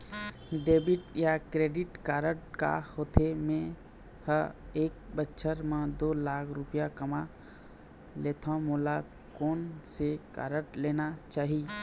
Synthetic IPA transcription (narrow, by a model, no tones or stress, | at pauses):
ɖeːbɪʈjakɾeːɖɪʈkaːɾəʈka̰hoːt̪ʰemẽ | həeːk̚bətːʃʰəɾmãd̪oːlaːkʰɾʊpijakəma | leːt̪ʰãmoːla | koːnseka̰ːɾəʈleːnat͡ʃaːɦi